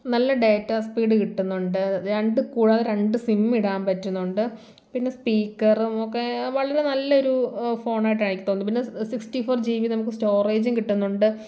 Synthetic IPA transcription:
nɐlːɐɖejtːaspiːɽɨkiʈːunːuɳɖɨɾeɳɖɨkuːɻaːðɨɾe̞ɳɖɨsimːiɽaːmpɐtːunːuɳɖɨ | pinːe̞spiːkːɐrumokːe̞ʋɐɭɐɾe̞nɐlːɐoɾufo̞ːɳaːjiʈ̬ːaːɳikʲːit̪oːnːɨpinːe̞siksʈifoːrd͡ʑiːʋinɐmukːɨsto̞ːreːd͡ʑumkiʈːunːuɳɖɨ

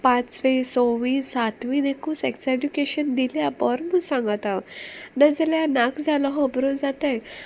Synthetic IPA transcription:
pãt͡sʋesoʋiːsat̪ʋĩnekũseksedukeɕənd̪iljabɔɾmusãŋɡat̪aʋnad͡zeljanakd͡zʱalɔɦəbɾod͡zat̪aj

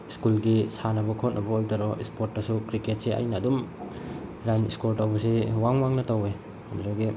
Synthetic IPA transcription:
iskulɡisanɐbɐkʰot̚nʔɐbɐojtɐɾɔispotːɐsukɾiket̚seʔa̰jnɐːdum | ɾaniskoɾtawbɐsewaŋwaŋnɐtowe | mzaɡi

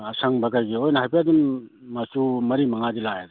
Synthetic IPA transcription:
asaŋbakajɡiojnɐɦajpʰeadumːasumɐɾimɐŋadilajad̪

